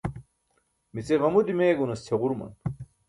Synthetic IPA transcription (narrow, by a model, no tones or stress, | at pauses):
mit͡seʁɐmud̪imeːɡunɐst̪ʰeʁuɾmɐ̰n